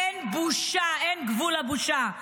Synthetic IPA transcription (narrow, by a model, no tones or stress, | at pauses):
ɛnbuʃaɛnɡvulabuʃa